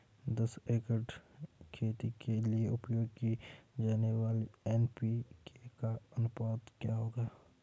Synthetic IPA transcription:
d̪ɐseːkəɾɖkʰeːt̪ikʰelieʊpjoːɡ̚kid͡ʒaːneʋaːleeːnpikekaɐnʊpaːd̪kjaɦoːɡaː

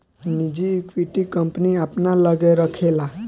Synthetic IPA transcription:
nid͡ʒikwiʈikʌmpniapnalʌɡeɾʌkʰela

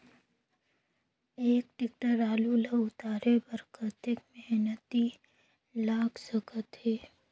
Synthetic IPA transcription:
eːk̚ʈɪk̚ʈəɾaːluləʊt̪aːɾebəɾkət̪ɪkmɛɦnət̪i | laːɡsəkət̪ɦeː

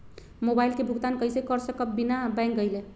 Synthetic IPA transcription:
mobajlkebʱuɡt̪ankəjsekʌɾsəkəp̚binabãjŋkɡəjle

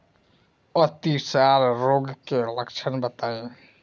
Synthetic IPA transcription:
əːɾt̪isaːɾɾoːɡkeləkʃʰənbət̪aːẽ

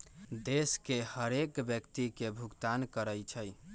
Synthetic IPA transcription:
d̪eskehəɾekbjəkt̪ikebʱukt̪ankəɾəjt͡ʃʰəj

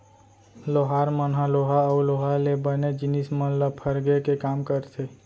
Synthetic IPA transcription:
loɦaɾmənɦaloɦaəwloɦalebəned͡ʒinismənləbpʰəɾɡekekamkəɾtʰe

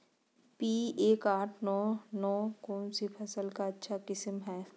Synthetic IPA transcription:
piːeːkaːʈʰnɔːnɔːkɔːnsipʰɐsəlkaɐtːʃʰakɪsmɦɛː

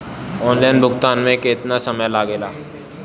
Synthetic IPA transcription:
ɔːnlaːnbʱʊkt̪aːnmẽkeɪt̪nasəməjlaːɡeːlaː

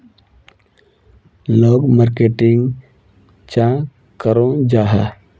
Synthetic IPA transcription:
lɔːɡmaɾkeʈɪŋɡ | t͡ʃã | kəɾõd͡ʒaːɦa

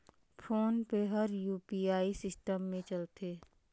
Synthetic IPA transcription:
pʰoːnpeɦəɾjuːpiːaːisɪsʈəmːẽt͡ʃəlt̪eː

